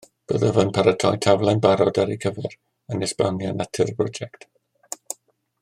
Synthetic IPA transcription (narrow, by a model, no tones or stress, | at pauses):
b̥əðəvənpʰaɾətʰɔjtʰavlˠanbaɾɔdaɾikʰəvɛɾ | ənɛsb̥a̰mjanatʰɨrbrɔd͡ʒɛkt